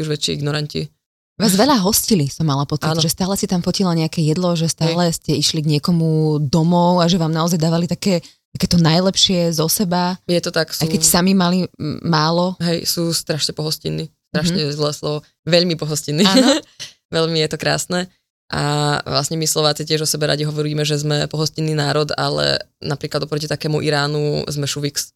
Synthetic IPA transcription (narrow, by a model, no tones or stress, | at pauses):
uʒʋɛt͡ʃːiiɡnɔɾancḭ | ʋaːzʋɛʎaɦɔscilisɔmːalapɔt͡sinʒɛst̪aːlɛsit̪amfɔcilaɲɛakɛjɛd̪lɔʒɛst̪aːlɛscɛiʃliɡɲɪɛkɔmud̪ɔmɔʊaʒɛʋaːmnaɔzajd̪aːʋalit̪akɛːt̪akɛːt̪ɔnajlɛpʃɪɛzɔsɛbajɛt̪ɔt̪aksajkɛcsamimalimaːlɔɦɛjsuːst̪ɾaʃɲɛpɔɦɔscḭnːist̪ɾaʃɲɛzlɛːslˠɔʋɔ | ʋɛʎmipɔɦɔscinːiaː | ʋɛʎmijɛt̪ɔkɾa̰ːsnɛ | ʔa̰ʋlasɲɛmislˠɔʋaːt͡sicɪɛʒɔsɛbɛɾa̰ɟiɦɔʋɔɾiːmɛʒɛzmɛpɔɦɔscinːiːnaːɾɔd̪a̰lɛ̰napɾiːklad̪ɔpɾɔcit̪akɛːmuʔiɾaːnuzmɛʃuʋiks